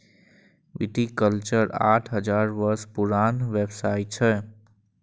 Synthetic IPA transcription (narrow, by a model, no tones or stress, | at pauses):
ʋḭʈikəlt͡ʃəɾa̰ʈʰɦəd͡ʒaɾbəɾspuɾanʋebsaiʈ̚t͡ʃʰɛ